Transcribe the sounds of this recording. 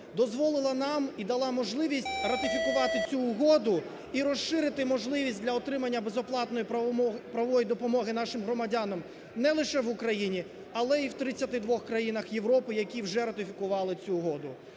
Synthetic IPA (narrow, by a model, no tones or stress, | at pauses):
d̪ɔzʋɔlˠɪlˠɐnɑmid̪ɐlˠɑmɔʒlˠɪʋʲisʲtʲrɐt̪ɪfʲikʊʋɑt̪ɪt͡sʲuːɦɔd̪ʊ | iɾɔsːɪɾɪt̪ɪmɔʒlˠɪʋʲisʲt̚ʲdʲlʲɐɔt̪ɾɪmɐnʲːɐbezɔplˠɑt̪nɔjipɾɐɔjid̪ɔpɔmɔɦɪnɑʃɪmɦɾɔmɐdʲanɔm | nɛlˠɪʃɛʋʊkɾɐjinʲi | ɐlˠɛiwt̪ɾɪt͡sʲːɐt̪ɪd̪ʋɔxkɾɐjinɐxjeʋɾɔpɪjɐkʲiwʒɛɾɐt̪ɪfʲikʊʋɑlˠɪt͡sʲuːɦɔd̪ʊ